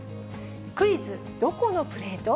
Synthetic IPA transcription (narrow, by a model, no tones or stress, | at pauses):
kɯ̟izɨ | d̪̥o̞ko̞no̞pɯ̟ɾe̞ːt̪o